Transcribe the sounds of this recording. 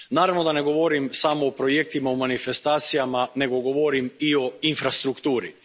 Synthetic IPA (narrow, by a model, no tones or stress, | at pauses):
naːɾaʋno̞d̪ane̞ɡo̞ʋoɾimsamoopɾo̞jek̚t̪imaomanife̞st̪aːt̪sijamane̞ɡo̞ɡo̞ʋoɾimio̞infɾast̪ɾukt̪uːɾi